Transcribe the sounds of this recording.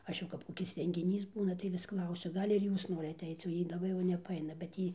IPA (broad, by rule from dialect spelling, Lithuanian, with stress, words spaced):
ˈɐʃ jɛʊ kɐp koːˈkʲɪs rʲɛŋʲɡʲɪˈnʲiːs ˈbuːnɐ tɐɪ ˈʋʲɪs ˈklˠɐʊsʲʊ ˈɡɐlʲ ɪr ˈjuːs ˈnoːrʲɪt ɐtʲˈɛɪt͡s oː ˈjiː lˠɐˈbɐɪ jɛʊ nʲɛpɐˈɐɪnɐ bʲɛt ˈjiː